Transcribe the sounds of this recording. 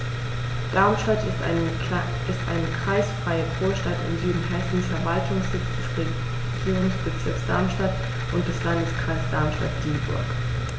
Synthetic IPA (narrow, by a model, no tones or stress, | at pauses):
d̥aɐmʃtat | ɪstʔa̰ɪnəkʁ̥aɪsfʁ̥aɪəfoːɐʃtatɪ̰mzyːdn̩hɛsn̩fɛɐvaltʰʊŋsz̥ɪt͡sd̥ɛsʁe | ɡ̥iːʁʊŋsb̥ət͡sɪɐksd̥aɐmʃtat | ʔʊnt̚d̥ɛslandəskʁ̥aɪsd̥aɐmʃta̰t̚d̥iːbʊ̰ɐk